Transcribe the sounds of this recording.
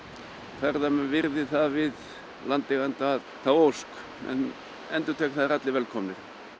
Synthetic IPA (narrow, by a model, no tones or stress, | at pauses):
θaɾðamɛnvɪɾðɪθavɪð | lant̪ɪɣant̪a | t̪ʰaosk | ɛ̰n | ɛnt̪ʏt̪ʰɛk̪θaðɾat̪lɪvɛlkʰɔmnɪɾ